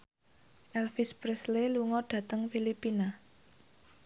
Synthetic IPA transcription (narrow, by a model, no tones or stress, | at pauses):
ʔɛlfispɾɛsleluŋɔɖ̥ä̤t̪əŋfilipina